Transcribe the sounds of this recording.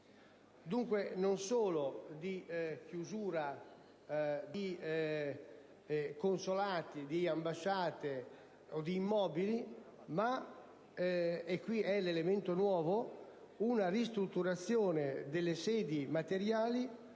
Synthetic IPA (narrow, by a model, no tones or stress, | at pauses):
d̪uŋkwenonsoːlod̪ikjuzuːɾa | d̪i | konsolaːt̪id̪iambaʃaːt̪e | od̪iːmːɔːbili | ma | ekːwiɛlelement̪onwɔːvo | unarist̪ɾut̪ːuɾat̪sːjɔːned̪elːesɛːd̪imat̪eɾjaːli